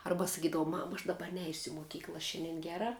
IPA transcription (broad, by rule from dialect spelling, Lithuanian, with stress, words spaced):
ˈɐrbɐ sɐˈkʲiːdɐʋɐʊ ˈmɑːmɐ ɐʃ ˈdɑːbɐ ˈnʲɛɪsʲʊ ɪ moːˈkʲiːklˠɐ ˈʃʲɛnʲdʲɛn ˈɡʲæːrɐ